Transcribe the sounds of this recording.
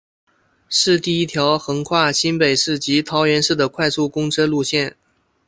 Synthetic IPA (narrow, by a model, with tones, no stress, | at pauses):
ʂɻ̩˥˧t̪i˥˩i˥t̪ʰjɑ˧˥ʊxɤ˧˥ŋkʰwa˥˩ɕi˥npe˨˩ɪʂɻ̩˥˩t͡ɕi˧˥t̪ʰɑ˧˥ʊɥɛ˧˥nʂɻ̩˥˩d̪ə˩kʰwa˥˧ɪsu˥˩kʊ˥ŋʈ͡ʂʰɤ˥lu˥˧ɕjɛ˥˩n